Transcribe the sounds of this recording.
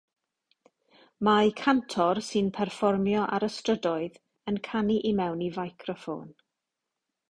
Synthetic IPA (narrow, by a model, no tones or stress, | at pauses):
majkʰantʰɔrsɨnpʰɛrfɔrmjɔʔaɾəstrədɔɨð | ənkʰaniʔimɛwnivajkʰrɔfo̰ːn